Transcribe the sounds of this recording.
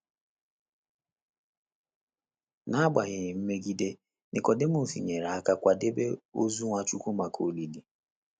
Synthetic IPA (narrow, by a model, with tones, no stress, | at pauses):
na˦a˦ɡ͡ba˨ɣɪ˨ɪ˨m̩˦me˦ɡi˦de˦ | nɪ˨kɔ˨dɪ˦m̩˦˨fḭ˨ɲe˨ɾa˨a˦ka˦kʷa˨de˦be˦o˦zu˦ŋʷa˦t͡ʃu˦kʷu˦ma˨kʰo˨li˨di˨